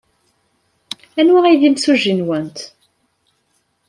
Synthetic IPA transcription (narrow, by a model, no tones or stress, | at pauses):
ænwaʁiðimsuʒːinwənt̪